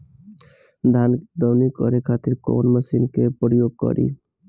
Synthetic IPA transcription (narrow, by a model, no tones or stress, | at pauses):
d̪ʱand̪ɔwnikɔɾekʰat̪iɾko̰nməsinkepəjoɡ̚kɔ̰ɾʔḭ